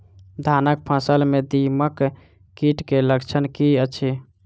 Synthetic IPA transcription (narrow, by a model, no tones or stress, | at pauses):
d̪ʱanək̚pʰəsəlmed̪iməkː | iʈkeləkt͡ʃʰənkiət͡ʃʰi